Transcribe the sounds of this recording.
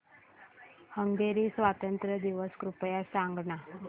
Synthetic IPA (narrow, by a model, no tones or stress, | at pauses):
həŋɡeɾiːsʋat̪ənt̪ɾəd̪iʋəskɾupjasaŋɡɳa